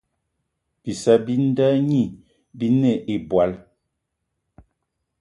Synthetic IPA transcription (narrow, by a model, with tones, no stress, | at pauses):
bi˨sa˦bi˦n̩˦da˦ɲi˦˨ | bi˦ne˨ʔe˨bwa˨˦l